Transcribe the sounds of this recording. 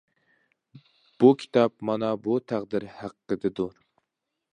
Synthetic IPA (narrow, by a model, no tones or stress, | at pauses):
b̥ukʲʰi̥t̪ʰɑp̚mɑnɑbut̪ʰæqd̪ɪɾhæqːəd̪ɪd̪uɾ